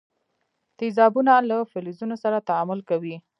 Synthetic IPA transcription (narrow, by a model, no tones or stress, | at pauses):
t̪izɑbunalafɪlizunosaɾat̪aamʊlkawi